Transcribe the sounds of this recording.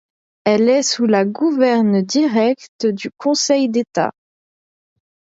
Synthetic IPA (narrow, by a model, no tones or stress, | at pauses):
ɛlɛsulaɡuvɛʁnd̪iʁɛkt̪d̪ykʰɔ̃sɛjd̪et̪a̰